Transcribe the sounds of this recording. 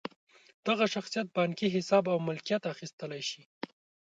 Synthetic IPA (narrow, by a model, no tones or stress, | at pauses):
d̪̥aɣaʃaxsijat̪̚bɑŋkiɦɪsɑbawmʊlkijat̪axist̪əlajʃi